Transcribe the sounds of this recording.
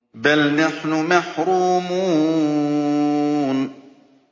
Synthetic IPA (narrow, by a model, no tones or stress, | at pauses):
bælnaħnʊmaħɾuːmuː | n